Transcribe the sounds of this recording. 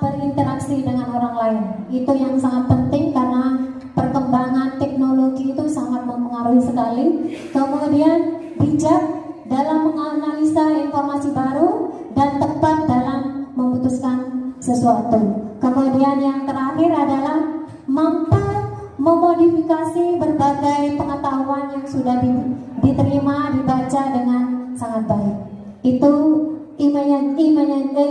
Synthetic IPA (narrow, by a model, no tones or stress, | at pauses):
bərint̪əɾaksidəŋanoɾaŋlaɪn | it̪ujaŋsaŋat̪̚pənt̪ɪŋkarəna | pərkəmbaŋant̪ɛk̚noloɡiːt̪usamat̪̚məpəŋaɾuhisənalikəmudian | bid͡ʒak̚dalampəŋaɾunanisaɪnformasibaɾu | dant̪əpat̪̚dalamːəmut̪uskansəsuat̪ukəmudianjaŋt̪əɾahɪɾadalah | mampu | məmodifikasibərbaɡajpəŋət̪aɦuanjaŋsudahidit̪əɾimadibat͡ʃadəŋansaŋat̪̚baɪk̚ | it̪u | ʔimajaimaɲaɡə